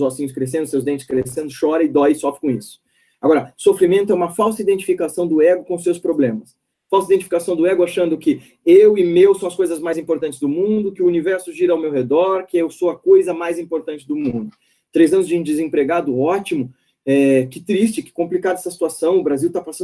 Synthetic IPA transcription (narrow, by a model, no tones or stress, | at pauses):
zvɔsĩɲʊskɾes̬ẽnd̪ʊsewzd̪ẽnt͡ʃɪ̥skɾesẽnd̪ʊʃɔɾɐɪd̪ɔjɪsɔfɾɪkõisʊ̥ | aɡɔɾɐsofɾimẽnt̪ʊɛũmɐfawsɐid̪ẽnt͡ʃi̥fikasɐ̃w̃d̪ʊɛɡʊkõʊsːewspɾoblẽmɐs | fawsɐid̪ẽnt͡ʃifikasɐ̃w̃d̪ʊɛɡʊaʃɐ̃nd̪ʊkɪ | ewɪmewsɐ̃w̃ɐskojzɐzmajzĩmpoɾt̪ɐ̃nt͡ʃɪzd̪ʊmũd̪ʊkɪʊunivɛɾsʊʒiɾɐawmewɦed̪ɔɾkɪewsowɐkojzɐmajzĩpoɾt̪ɐ̃nt͡ʃɪd̪ʊmũd̪ʊ | t̪ɾejzɐ̃nʊzd͡ʒɪũd͡ʒ̪ɪzẽpɾeɡad̪ʊɔt͡ʃimʊ | ɛkɪt̪ɾist͡ʃɪkɪ̥kõmplikad̪ʊɛsɐsi̥t̪uasɐ̃w̃ʊbɾaziwt̪apasɐ̃